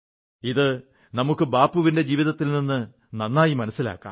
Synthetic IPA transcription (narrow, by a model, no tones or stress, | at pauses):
iðɨ | nɐmukːɨbaːpːuʋinde̞d͡ʑiːʋiðɐt̪ːilninːɨ | nɐnːaːjimɐnɐsːila̰ːkːa̰ː